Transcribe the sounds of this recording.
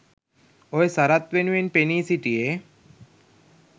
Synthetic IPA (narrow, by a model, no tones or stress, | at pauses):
oesaɾat̪ʋenʋenpenisiʈie